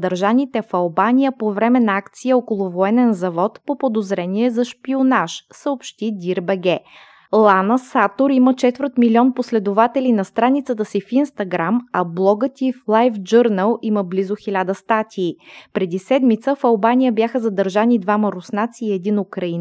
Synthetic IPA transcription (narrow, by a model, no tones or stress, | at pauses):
d̪əɾʒanit̪ɛfɐlˠbanʲijəpovɾɛmɛnɐakt̪sijəɔkolˠʊvoɛnɛnzɐvɔt̪popod̪ozɾɛniɛzɐʃpionaʃsəopʃt̪id̪ʲiɾbɛɡɛ | lˠanəsat̪oɾimət͡ʃɛt̪vəɾt̪milʲiɔnposlɛd̪ovat̪ɛlinɐst̪ɾanit̪sət̪əsifinst̪ɐɡɾamɐblˠɔɡət̪iflˠajfd͡ʒɤɾnəlˠiməblizoxilʲad̪əst̪at̪ʰiːpɾɛd̪isɛd̪mit̪səfɐlˠbanʲijəbjaxəzɐd̪əɾʒanid̪vaməɾʊsnat̪siːɛd̪inʊkɾɐin